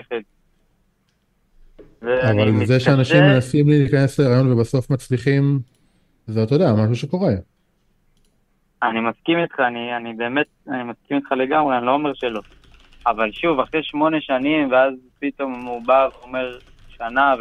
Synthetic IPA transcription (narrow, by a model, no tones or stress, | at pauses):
χed | veavalzeʃeanaʃimmːenasimliliːkanesleʁajo̞nvebaso̞fmat͡sliχim | zet̪odeamaʃ̬uʃe̞ko̞ʁe̞ | animaskimit̪χaːnianibe̞ːme̞t̪̚animaskimit̪χale̞ɡamʁeanilo̞ːmeʁʃelo̞ | avalʃuvaχʁeʃmo̞ne̞ʃanimveazpit̪o̞mmubaveome̞ʁ | ʃanav